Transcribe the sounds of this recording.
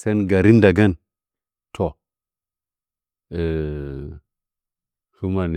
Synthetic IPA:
se˦nɡa˨ɾi˦n˦da˨ɡa˦n | tʰo˨ | e˨ | ʃu˦ma˨n˨

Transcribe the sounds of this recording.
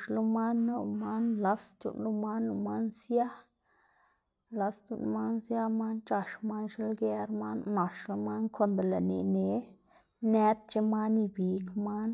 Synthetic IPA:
ʃlu˦ma˦nːa˧ma˦nla˦st̪ṵ˧˨nlu˦ma˦nu˧ma˦nsja˦ | la˧st̪ṵ˨n˦ma˦nsja˦ma˦nt͡ʃa˧ʃma˦nʃe˦lɡe˧ɾma˦nna˨ʂlu˦ma˦nkʰo˧nb̪e˨la˨nḛ˨ne˨˦ | nɛ˦t̪̚t͡ʃe˦ma˦ni˧bi˨kma˦n

